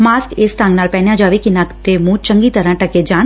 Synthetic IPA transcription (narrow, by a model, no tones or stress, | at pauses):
maːskɪsʈãːŋɡnaːlpɛːɳjaːd͡ʒaːʋekinakt̪eːmũːt͡ʃə̃ŋɡiːt̪əɾãːʈəkeːd͡ʒaːn